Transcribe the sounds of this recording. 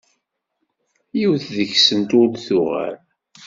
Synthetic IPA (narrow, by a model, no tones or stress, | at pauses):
jiwθðəçsənt̪ʊlθʊʁæ̰ɾ